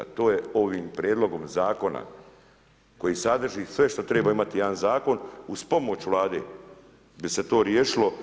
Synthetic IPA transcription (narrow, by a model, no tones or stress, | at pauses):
t̪o̞ːjeo̞ʋiːmpɾʲjeːd̪lˠo̞ɡo̞mzaːko̞na̰ | ko̞jiːsad̪r̩ʒiːsʋe̞ʃt̪ot̪ɾeːbaːimat̪ijed̪anzaːko̞nuspomot͡ɕuʋlˠaːd̪eː | bise̞t̪o̞ːɾjeːʃilo̞